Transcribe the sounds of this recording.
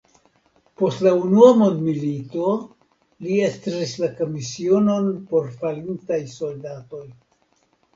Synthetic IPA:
po̞stlaunuamo̞nd̪milito̞ | liestɾɾislako̞misio̞no̞npo̞ɾfalintajso̞ldato̞j

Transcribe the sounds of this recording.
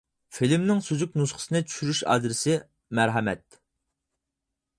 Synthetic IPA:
filmnɪŋsøzykʲnusχə̥sɨnɨt͡ʃʰy̥ʃyɾyʃɑ̰d̪ɾɪsɪ | mæɾɦɛmɛ̰t̪̚

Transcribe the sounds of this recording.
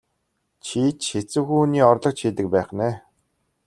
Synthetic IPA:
t͡ɕʰiːt͡ɕxet͡sɘ̆wxuːniːɔrɮɞ̆q̚t͡ɕxiːt̪ɘ̆k̚pæːχnæː

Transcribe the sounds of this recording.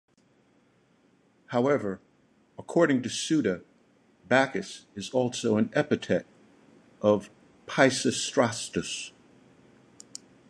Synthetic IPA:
haʊɛvə˞ | əkʰɔɹɾɪ̃ŋtɨsʉɾɨ | bækɨsɨzɔlˠsoʊɨ̃nɛpɨtʰɛɾ | ʔʌv̥ | pʰaɪsɨstɹ̥ɑstɨs

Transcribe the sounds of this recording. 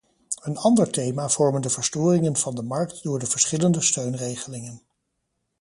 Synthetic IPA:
ənɑndəɹtejmaːv̥ɔɹməndəvəɹstʊːrɪŋənv̥ɑndəmɑɹk̚tdʊːɹdəvəɹsχɪləndəstøɥnrejχəlɪŋən

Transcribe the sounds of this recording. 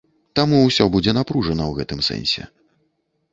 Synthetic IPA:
t̪amuwsʲɔbud͡zʲɛnapɾuʐɐnɐwɣɛt̪ɨmsɛ̰nʲsʲɛ̰

